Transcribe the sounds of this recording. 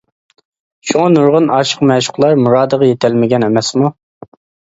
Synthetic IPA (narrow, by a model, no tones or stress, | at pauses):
ʃuŋɑnuɾʁʊnɑʃə̥qmɛʃʊ̥qlˠɑɾmuɾɑːd̪əʁɑjet̪ʰɛlmɪɡʲɛnɛmɛsmu